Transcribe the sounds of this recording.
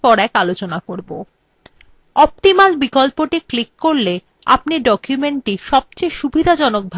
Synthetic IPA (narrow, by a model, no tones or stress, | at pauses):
pɔɾɛkalot͡ɕonakoɾbo | ɔp̚t̪imalbikolpoʈiklikːoɾle | apniɖɔkjumeɳʈiʃɔb̚t͡ɕejʃubʱid̪ʱad͡ʑɔnok̚bʱ